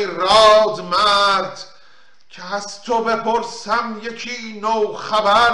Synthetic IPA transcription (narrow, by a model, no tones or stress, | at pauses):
ɾɒːd̪mæɾd̪̥ | cʰehæst̪ʰobe̞pʰoɾsæmje̞kʰiːnowxæbæ